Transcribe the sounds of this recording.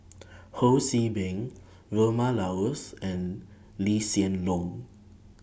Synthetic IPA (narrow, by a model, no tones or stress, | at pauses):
hosibɛ̃ŋ | ɹomalawəsɛ̃n | lisiə̃nlɔ̃ŋ